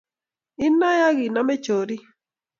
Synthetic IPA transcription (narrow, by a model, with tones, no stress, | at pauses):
ɪ˦na˦ja˦ɡi˨na˦me˦t͡ʃo˨ɾi˦